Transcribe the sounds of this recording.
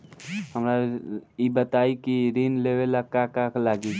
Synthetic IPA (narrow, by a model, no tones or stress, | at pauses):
ɦəmɾaibət̪aikiɾinlewelakakaklaɡi